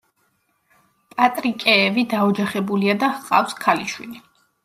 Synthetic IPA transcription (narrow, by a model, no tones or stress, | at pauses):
pʼat̪ʼɾikʼɛːvid̪aɔd͡ʒaχɛbuliad̪aqʼa̰fskʰaliʃwili